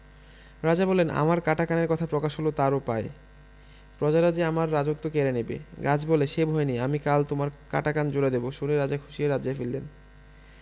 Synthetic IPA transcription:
ɾad͡ʑabɔlenʔa̰maɾkaʈakaneɾkɔt̪ʰapɾɔkaʃɦolot̪aɾopae | pɾɔd͡ʑaɾad͡ʑiamaɾːad͡ʑot̪ːokeɾenebḛɡad͡ʑbɔleʃebʱɔeniamikalt̪omaɾka̰ʈakand͡ʑoɾed̪eboʃuneɾad͡ʑakʰuʃieɾad͡ʑefilːen

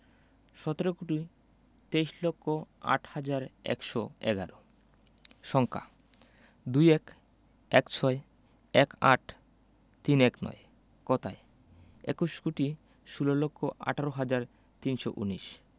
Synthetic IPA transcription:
ʃɔt̪eɾokuʈi | t̪ejʃlokʰːoa̰ʈʰhad͡ʑaɾɛ̰kʃɔɛ̰ɡaɾo | ʃɔŋkʰa̰ | d̪ujɛk | ɛkt͡ɕʰɔe | ɛka̰ʈʰ | t̪inɛknɔ̰e | kɔt̪ae | ḛkuʃkuʈi | ʃulolokʰːoʔa̰ʈʰaɾoɦad͡ʑaɾ | t̪inʃo̰ʔṵniʃ

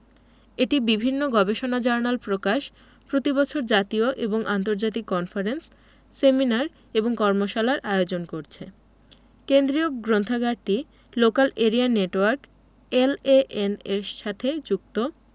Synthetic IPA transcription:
eʈibibʱinːoɡɔbeʃonad͡ʑaɾnalpɾokaʃ | pɾot̪ibɔt͡ɕʰoɾd͡ʑat̪ioʔeboŋʔant̪oɾd͡ʑat̪̬ikːɔnfaɾensː | eminaɾ | eboŋkɔɾmoʃalaɾʔaeod͡ʑonkoɾt͡ɕʰe | kend̪ɾioɡɾont̪ʰaɡaɖ̚ʈi | lokaleɾianeʈwaɾk | eleʔeneɾʃat̪ʰed͡ʑuk̚t̪o

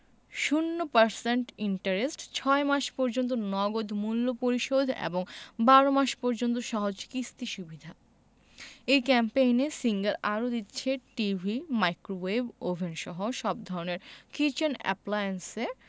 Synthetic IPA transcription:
ʃunːopaɾseɳʈiɳʈaɾesʈt͡ɕʰɔemaʃpɔɾd͡ʑont̪onɔɡod̪ʱmulːopoɾiʃod̪ʱḛboŋbaɾomaʃpɔɾd͡ʑont̪̬oʃɔɦod͡ʑkist̪iʃubid̪ʱa | ejkɛmpejnesiŋɡaɾaɾod̪itːɕʰeʈibʱimajkɾowebobʱenʃɔɦoʃɔb̚d̪ʱɔɾoneɾkit͡ɕenɛ̰plajense

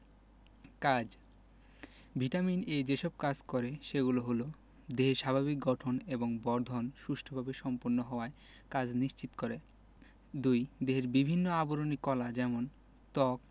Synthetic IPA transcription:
kad͡ʑ | bʱiʈamined͡ʑeʃɔb̚kad͡ʑkɔɾeʃeɡuloɦolo | d̪eɦeɾʃabʱaβik̚ɡɔʈʰoneboŋbɔɾd̪ʱonʃuʃʈʰobʱabeʃɔmpoɾnːoɦɔoae | kad͡ʑniʃt͡ɕit̪o̥koɾe | d̪ujd̪eɦeɾbibʱinːoaboɾonikɔlad͡ʑɛmon | t̪ɔk̚

